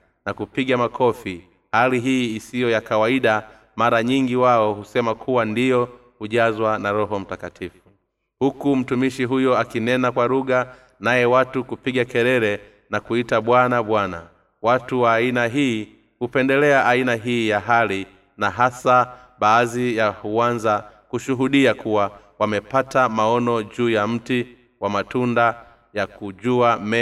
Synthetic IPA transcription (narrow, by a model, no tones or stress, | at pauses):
nakupiɠamakʰɔfi | haliɦiːsijɔjakawaiɗa | maɾaɲiŋɡiwaɔhusɛmakʰuwandijɔ | huʄazwanaɾɔɦɔm̩takatʰifu | hukum̩tumiʃiɦujɔakinɛnakwaɾuɠa | najɛwatukupiɡakɛɾɛɾɛ | nakuitaɓwanaɓwana̰ | watuwaːinaɦiː | hupɛndɛlɛaʔainaɦiːjaɦali | naɦasa | ɓaːzijahuanzakuʃuɦuɗiakuwa | wamɛpatamaɔnɔʄuːjam̩ti | wamatunda | jakuʄuamɛ